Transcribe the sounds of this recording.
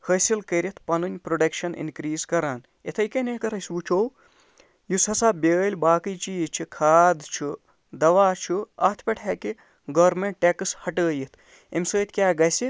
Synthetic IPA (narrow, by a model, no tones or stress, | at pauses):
həsilkɐɾʲit̪ʰpɐnɨnʲpɾoɖɐkʃɐnḭnkɾiːzkɐɾaːn | et̪ʰɐjkɐnekɐɾɐsuːt͡ʃʰow | jushɐsaːbʲeːlʲbaːkijt͡ʃiːzt͡ʃʰikʰaːd̪t͡ʃʰu | d̪ɐʋaːt͡ʃʰuɐt̪ʰpʲeʈʰaːki | ɡɐːɾmeɳʈ̚ʈekɨshɐʈəːjit̪ʰ | emsəːt̪ʰʲkʲjaːɡɐsi